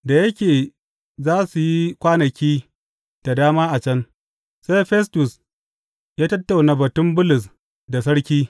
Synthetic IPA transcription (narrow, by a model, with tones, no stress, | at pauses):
da˨jɐ˦kʲeː˨ | zaː˦su˨ji˦kʷaː˦nɐ˨kʲiː˦ | d̥a˨daː˦maː˦ʔa˨t͡ʃɐ˦n | sa˦jɸɛ˦stʊ˨s | jaː˦tɐ˦tːa˨wna˨bɐ˨tʊ˦mbʊ˦lʊ˨s | da˨s̬ɐ˦ɽkʲiː˦